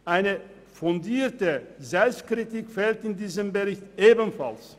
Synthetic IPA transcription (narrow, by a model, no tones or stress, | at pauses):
ʔaɪnə | fʊndiːɐtəzɛlfstkʁitikfɛltɪndiːzəmbəʁɪçtʔeːbənfa̰ls